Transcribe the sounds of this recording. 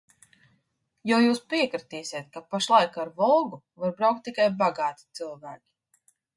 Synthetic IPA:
jawjuːspiɛkɾit̪iːsʲiɛt̪̚kapaʃlˠajkaɾvɔlˠɡu | vaɾbɾawk̚t̪ːikajbaɡaːt̪i̥t̪sɨlˠvæːkʲi̥

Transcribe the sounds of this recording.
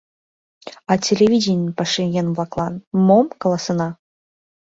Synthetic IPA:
ɑtʲelʲevʲidʲenʲpɑʃɨŋɡʲenvlˠɑklˠɑnmomkŏlˠɑsɤ̆nɑ

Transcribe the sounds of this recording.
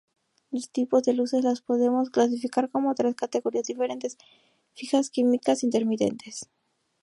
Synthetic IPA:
lost̪ipo̞zðe̞luse̞zlaspo̞ðe̞mo̞sklas̬ifikaɾko̞mot̪ɾeskat̪e̞ɣoɾiazðife̞ɾe̞nt̪e̞s | fixaskimikasint̪e̞ɾmit̪e̞̰nt̪e̞s

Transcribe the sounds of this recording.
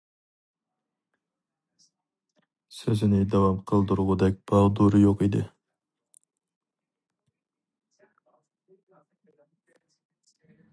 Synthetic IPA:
søzɪnɪd̪ɑwɑmqʰəlˠd̪uɾʁʊd̪ɛk̚ʲb̥ɑʁd̪uɾɨjoqid̪ɪ̰

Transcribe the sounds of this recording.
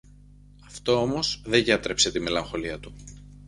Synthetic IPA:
ɐft̪o̞omo̞sðeʝɐt̪ɾe̞pse̞t̪ime̞lɐŋxo̞liɐt̪u

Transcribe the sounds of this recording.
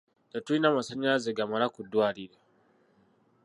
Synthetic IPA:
tatunamasɐɲaziɡamaɾakʊduwaɾida

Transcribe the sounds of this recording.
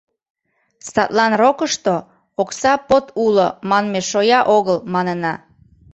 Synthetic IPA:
st̪ɑt̪lɑnrokəʃt̪o | oksɑpot̪ulomɑnmeʃojɑʔoɣəlmɑnənɑ

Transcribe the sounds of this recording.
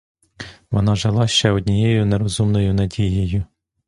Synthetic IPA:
ʋɔnɑʒɑlˠɑʃt͡ʃɛɔd̪ʲnʲijejʊneɾɔzumnɔjʊnɐdʲijɪjʊ

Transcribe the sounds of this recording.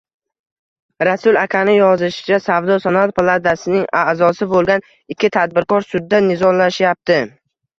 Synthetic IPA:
ɾasʊlˠakʲʰanɪjɒzɪʃɪ̥t͡ʃasavd̪ɒsanat̪̚pʰalˠad̪asɪnɪŋazɒsɪbolˠɡʲan | ɪkʲʰːɪt̪ʰad̪̚bɪɾkɒɾsʊd̪ːanɪzɒnlaʃjap̚t̪ʰɪ

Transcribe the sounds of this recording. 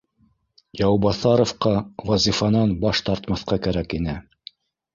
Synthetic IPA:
jɑwbɑθɑɾŏfqɑwɑzʲifɑnɑnbɑʃt̪ɑɾt̪mɑθqɑkæɾækinɘ

